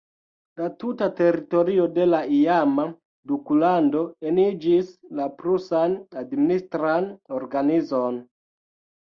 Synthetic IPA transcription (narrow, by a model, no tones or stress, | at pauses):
latutate̞ɾito̞ɾio̞de̞laiama | dukulando̞e̞nid͡ʒislapɾusanadministɾanoɾɡanizo̞n